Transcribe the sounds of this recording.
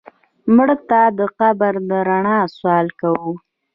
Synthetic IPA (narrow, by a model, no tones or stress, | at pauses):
mɽət̪ad̪əqabəɾd̪əɾaɳɑswɑlkawu